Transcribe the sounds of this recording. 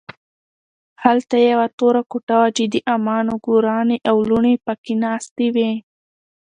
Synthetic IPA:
halt̪ajawat̪oɾakuʈawad͡ʒɪd̪iʔamɑnoɡoɾɑneʔawluɳepakinɑst̪iwe

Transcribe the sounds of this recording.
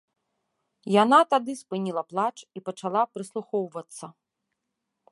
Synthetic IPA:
janat̪ad̪ɨspɨnʲilˠɐplˠat͡ʂipɐt͡ʂalˠapɾɨslˠuxɔwvɐt̪sːɐ

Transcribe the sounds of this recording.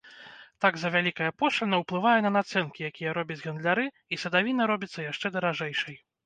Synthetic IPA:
t̪aɡzɐvʲalʲikɐjɐpɔʂlʲɐnɐwplˠɨvajɛnɐnat̪sɛnkʲijakʲijɐɾɔbʲɐd͡zʲɣɐnd̪lʲaɾɨ | isɐd̪avʲinɐɾɔbʲit̪sːɐjaʂt͡ʂɛd̪ɐɾaʐɛjʂɐj

